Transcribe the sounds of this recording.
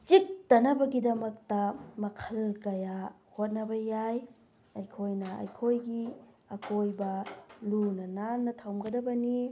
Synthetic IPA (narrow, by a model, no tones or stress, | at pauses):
t͡ʃik̚tɐnɐbɐɡidɐmɐk̚tɐmɐkʰɐlkɐja | hot̚nɐbɐjaj | ɐjkʰojnɐɐ̰jkʰojɡi | ɐkʰojbɐlunɐnanːɐtʰawmɡɐdɐbɐni